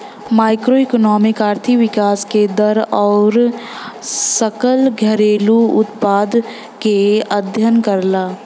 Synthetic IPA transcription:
maːɪkɾoikonɔːmɪkaːɾt̪ʰiʋɪkaːsked̪ɐɾɔːɾ | səkəlɡʱəɾeːluʊt̪paːd̪ | keəd̪ʱjənkəɾlaː

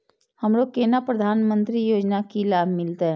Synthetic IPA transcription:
həmɾokeːnapɾəd̪ʱaːnmə̃nt̪ɾijoːd͡ʒnakilaːbʱmɪlt̪eɦɛ̃

